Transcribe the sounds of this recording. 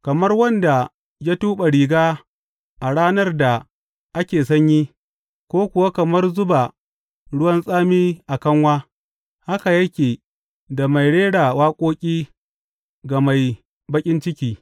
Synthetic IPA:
kɐ˨mɐ˦rwɐ˦nda˨ | ja˦tuː˦ɓa˨ɽiː˨ɡaː˦ | ʔa˨ɽaː˦nɐ˦rda˨ | ʔa˦kʲeː˨sɐ˦ɲji˦ | kʷoː˦kʷʊ˨wa˦kɐ˨mɐ˦rzʊ˦ba˨ | ɽʊ˦wɐ˦nsʼaː˦miː˦ʔa˨kɐ˦ŋwaː˦ | ha˦ka˨jɐ˦kʲeː˨ | da˨ma˨jɽeː˦ɽa˨waː˦kʷʼoː˦kʲʼiː˦ | ɡa˨ma˨j | bɐ˦kʲʼɪ˦nt͡ʃɪ˦kʲiː˦

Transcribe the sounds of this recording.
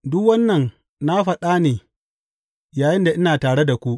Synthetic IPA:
dʊ˦kwɐ˦nːɐ˨n | na˦ɸɐ˨ɗa˦neː˨ | jaː˨jɪ˦nda˨ʔɪ˦naː˨taː˨ɽe˦da˨kʷu˦ʔ

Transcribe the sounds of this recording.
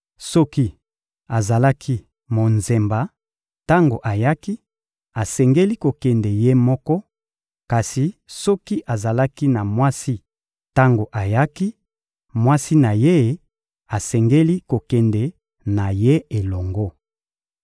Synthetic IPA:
sɔ˦ki˦ | a˨za˨la˦kʰi˦ | mo˨nze˨mba˨ | ta˦ŋɡo˨ʔa˨ja˦ki˦ | a˨sɛ˨ŋɡe˦li˦ko˨kɛ˨ndɛ˨je˦mɔ˦kɔ˦ | ka˨si˨sɔ˦ki˦ʔa˨za˨la˦ki˦na˨mwa˦si˦ | ta˦ŋɡo˨ʔa˨ja˦ki˦ | mwa˦si˦na˨je˦ | a˨sɛ˨ŋɡe˦li˦ko˨kɛ˨ndɛ˨ | na˨je˦e˨lɔ˨ŋɡɔ˦

